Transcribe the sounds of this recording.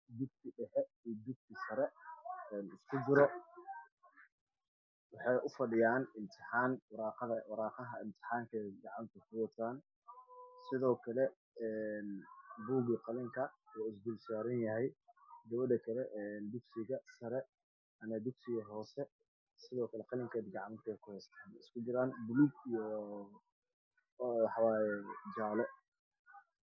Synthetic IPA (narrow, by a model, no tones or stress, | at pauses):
d̪ʊɡ̚t̪ʰɪɖɛħɛiːd̪ʊɡ̚t̪ʰɪsɐɾɛɛːnɪskʰʊd͡ʒɪɾɔ | wɑħɑjʔʊfɐɖɪjaːnɪmt̪ʰɪħɑːnwʊɾɑːqɑðɐwɑɾɑːqɑɦɐɪmt̪ʰɪ̥ħɑːŋkʰɛɡɑʕɑnt̪ʰɐkʰʊwɑt̪ʰːaːn | sɪðɔːkʰɐlɛ | ɛːnbuːɡɪqɑlɪŋkʰɐwɔːɪs̬bʊlsaːɾɐnjɐɦɛjd̪ɐβɐd̪ɐkʰɐlɛʔnd̪ʊɡsɪɣɐsɐɾɛ | ʔɐmɐd̪ʊɡsɪɣɐɦɔːsɛ | sɪðɔːkʰɐlɛqɑlɪŋkʰɛːd̪ɡɑʕɑmt̪ʰɛːkʰʊhɛst̪ʰaːnɪskʰʊd͡ʒɪɾaːnbʊlɡijɔ | wɑħɑwɑːjɛd͡ʒaːlɛ